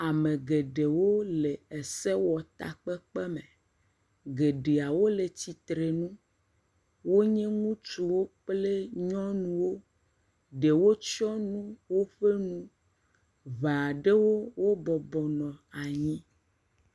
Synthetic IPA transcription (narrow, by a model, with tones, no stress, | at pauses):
a˨mẽ˨ɡe˨ɖe˨wo˦le˨e˨se˦wɔ˨t̪a̰˨k͡pɛ˦k͡pɛ˦mẽ˨ | ɡe˨ɖe˨a˨wo˦le˨t͡ɕi˨t̪ɾe˨nũ˦ | wo˦ɲɛ̃˦ŋũ˦t͡ʃu˦˨wo˦k͡ple˦ɲɔ̃˦nũ˦wo˦ | ɖe˨wo˦t͡ʃɔ˦nũ˦wo˦ɸe˦nũ˦ | vã˨a˨ɖe˦wo˦wo˦bɔ˨bɔ˨nɔ̃˨a˨ɲĩ˦